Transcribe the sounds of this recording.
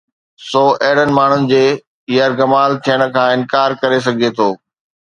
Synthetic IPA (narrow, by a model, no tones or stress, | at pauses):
sɔːʔɐɦɪɽ̤ənɪ̆maːɳ̤ʊnɪ̆d͡ʑeː | ijəɾɡɐmaːlt̪ʰijəɽ̃ə̆kʰãːɪ̃nkaːɾkɐɾes̬ɐɡʱet̪ʰoː